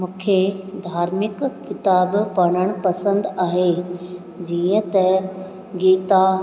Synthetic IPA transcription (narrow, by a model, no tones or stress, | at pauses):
mũːkʰed̪ʱaːɾmɪkːɪt̪aːbpɐɽ̃əɽ̃pɐsə̃nd̪aːɦe | d͡ʑiːə̃t̪ɐ | ɡiːt̪a